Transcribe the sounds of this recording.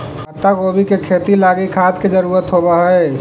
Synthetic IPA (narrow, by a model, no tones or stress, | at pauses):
ət̪ːaɡobʱikekʰet̪ilaɡikʰat̪ked͡ʒəɾuːɾət̪ɦobəɦəe